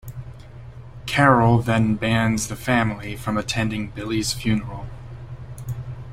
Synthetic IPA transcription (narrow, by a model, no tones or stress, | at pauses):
kʰɛɹl̩ˠðɨ̃nbæ̃ndzðɨfæ̃ml̩ifɹʌ̃mɨtʰɛ̃ndɪ̃ŋbɪlˠiz̥fjʉnə˞l̩ˠ